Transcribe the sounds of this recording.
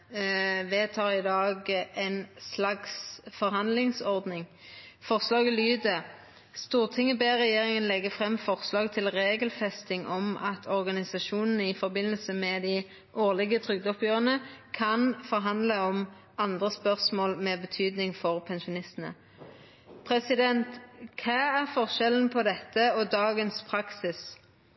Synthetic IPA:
ʋeːt̪ʰɑːʁɪd̪ɑːɡɛnslɑksfɔɾɦɑnd̪lɪŋsɔʁd̪nɪŋ | fɔʁslɑːɡəlyːd̪ə | st̪uːʁt̪ʰɪŋːəbeːʁɛjeːʁɪŋənlɛɡəfʁɛmːfɔʁslɑːɡt̪ʰɪlʁeːɡəlfɛst̪ɪŋʔɔmɑt̪ʰɔʁɡɑnɪsɑʃuːnn̩əɪfɔbɪnəlsəmɛd̪ɪ | ʔoːʁlɪɡət̪ʰʁʏɡd̪ɔpjøːʁənəkʰɑnfɔʁɦɑnd̪ləɔm | ɑnd̪ʁəspœʁsmoːlmɛːbət̪ʰyːd̪nɪŋfɔʁpʰɛnʃʊnɪst̪ənə̰ | pʰʁɛsɪd̪ɛnt̪kʰɑːæʁfɔʁʃɛln̩pʰɔd̪ɛt̪ːəɔd̪ɑːɡənspʰʁɑksɪs

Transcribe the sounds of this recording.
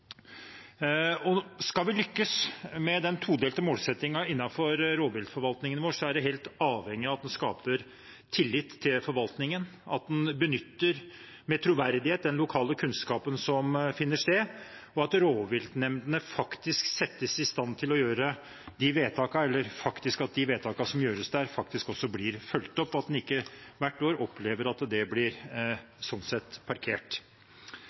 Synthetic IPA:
ɔskɑlʋɪlʏkːəsmɛd̪ɛnt̪ʰuːd̪eːlt̪ɛmoːlsɛt̪ːɪŋɑɪnːɑfɔɾɾoːʋɪld̪fɔɾʋɑlt̪nɪŋənʋoːʂsɔæɖɛɦeːlt̪ɑːʋhɛŋːɪɑʋɑt̪d̪ɛnskɑ̰ːpəɾ | t̪ʰɪlːɪt̪ʰːɪlfɔɾʋɑlt̪nɪŋənɑ̰t̪̚d̪ɛnbənʏt̪ːəɾ | mɛt̪ʰɾʊʋæɾd̪ɪheːt̪̚d̪ɛnlʊkʰɑːləkʰʉnskɑːpənsɔmfɪnːəʂt̪eːɔɑt̪ɾoːʋʋɪlt̪nɛmd̪ənəfɑkt̪ɪsksɛt̪ːəsɪst̪ɑnːt̪ʰɪlɔjøːɾə | d̪ɪʋeːt̪ʰɑːkɑɛlːəɾfɑkt̪ɪskɑt̪̚d̪ɪʋeːt̪ʰɑːkɑsɔmjøːɾəsd̪æːɾfɑkt̪ɪskɔsːɔblɪɾfœlt̪ɔpːɑt̪̚d̪ɛnɪkːəʋæʈːoːɾɔpʰleːʋəɾɑt̪d̪ɛblɪɾ | sɔnsɛt̪ːpʰɑɾkʰeːʈ

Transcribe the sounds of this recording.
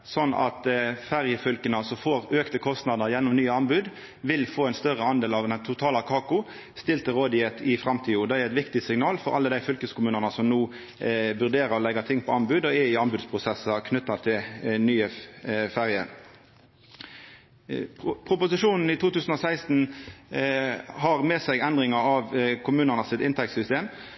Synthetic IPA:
sɔnːɑ̰t̪fæʁjəfʏlkənəsɔfoːʁøːkt̪əkʰɔst̪nɑd̪əʁjɛnːɔmnyːəɑnbʉd̪ | ʋɪlfoːɛɪnst̪œʁəɑnd̪eːlɑʋd̪ɛnt̪ʰʊt̪ʰɑːlɑkʰɑːkʊ | st̪ɪlt̪əʁoːd̪ɪɛt̪ʰɪfʁɑmt̪ʰiːʊd̪ɛæɾʁɛt̪ʋɪkt̪ɪsɪŋnɑːlfɔʁɑ̰lːəd̪æɪfʏlkəskʊmʉːnənəsɔmnuː | ʋʉʁd̪eːʁəɾɔlɛɡɑt̪ʰɪŋːpʰɔɑnbʉːd̪ɔæɪɑnbʉːd̪spʰʁʊsɛsɑkʰnʏt̪ːɑt̪ʰɪlnyːəfæʁjə̰ | pʰʁʊpʊsɪʂuːnn̩it̪ʰuːt̪ʉːsn̩ɔsæɪst̪n̩ | hɑʁmeːsɛɪɡɛnd̪ʁɪŋɑɑʋkʰʊmʉːnənəsɪt̪ɪnt̪ʰɛk̚t̪sʏst̪eːm

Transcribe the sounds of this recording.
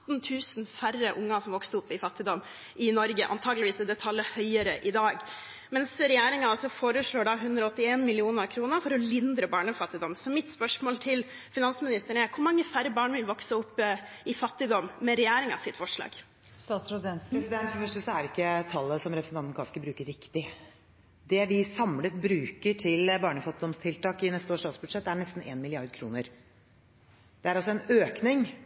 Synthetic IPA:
t̪nt̪ʰʉːsnfærəʔʊŋːɑsɔmʋɔkst̪əʊpːɪfɑt̪ːɪd̪ɔmː | ʔɪnɔɾɡəʔɑ̰nt̪ʰɑːɡlɪʋiːsɛd̪ɛt̪ʰɑlːəhœʏəɾəʔɪd̪ɑːɡ | mɛnsɾɛjæːɾɪŋɑɔsɔfoːɾəʂɭoːɖɑɦʉnd̪ɾɔɔt̪ːɪeːnmɪlɪuːnəkʰɾuːnəɾfɔɾɔlɪnd̪ɾəbɑːɳəfɑt̪ːɪd̪ɔmsɔmɪt̪spœʂmoːlt̪ʰɪl | fɪnɑnsəmɪnɪst̪əɳəæɾkʰʊɾmɑŋːəfæɾəbɑːɳʋɪlʋɔksəʊpːɪfɑt̪ːɪd̪ɔmːmɛɾɛjæːɾɪŋɑ̰sɪt̪fɔʂɭɑ̰ːɡ̥ | st̪ɑːsɾɛɛnspɾɛsɪd̪ɛnt̪fɔɾfœʂʈəsɔæɾɪkːət̪ʰɑlːəsɔmɾɛpɾsn̩ɑnt̪nkɑːskəbɾʉːkəɾɪkt̪ɪ | d̪ɛʋɪsɑmlət̪bɾʉːkəʈʰɪlbɑːɳəfɑt̪ːɪd̪ɔmst̪ʰɪlt̪ɑːkɪnɛst̪əoːʂɑːt̪sbʉd̪ʂɛt̪ːæɳɛst̪n̩ḛːnmɪlɪɑɾd̪̚kʰɾṵːnəɾ | d̪̥ɛæɾɑlsɔɛnøːknɪŋ

